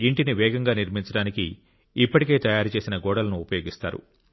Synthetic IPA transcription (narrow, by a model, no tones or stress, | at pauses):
iɳʈiniʋɛːɡɐŋɡaːniɾmiɲt͡ʃɐɽaːnikḭ | ipːɐʈike̞ːt̪ɐjaːɾut͡ʃe̞ːsinɐɡɔːɽɐlɐnuːpɐjo̞ːɡist̪a̰ːɾṵ